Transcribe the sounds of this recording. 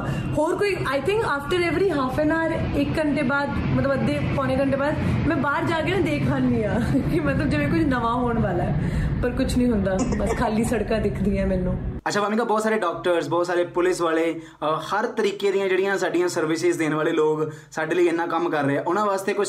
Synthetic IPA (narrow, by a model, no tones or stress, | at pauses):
hoːɾkoiːaːɪt̪ʰɪ̃ŋkaːfʈəɾɛːʋɾiːɦaːpʰeːnaːɾ | ɪkːəɳʈeːbaːd̪ | mət̪ləbəd̪ːeːpɔːneːkəɳʈeːbaːd̪mɛ̃ːbaːɾd͡ʒaːɡeãːd̪eːkʰaːndiːaː | kɪmət̪ləb̚d͡ʒeːʋẽːkʊt͡ʃʰnəʋaːɦoːɳʋaːlaɛːpəɾkʊt͡ʃʰnĩːɦʊnd̪aːbəskʰaːliːsəɽkãːd̪ɪkʰd̪iːɛ̃ːmɛːnũːətːʃʰaːʋaːmĩːkaːbɔːt̪saːɾeːɖɔːk̚ʈəɾzbɔːt̪saːɾeːpʊlɪsʋaːleː | həɾt̪əɾiːkeːd̪ɪjãːd͡ʒeːɽijãːsaːɖijãːsəɾʋɪsɪzd̪eːnʋaːleːloːɡ | saːɖeːləiːɪnːãːkəmkəɾːəeːɛːʔʊnãːʋaːst̪eːkʊt͡ʃʰ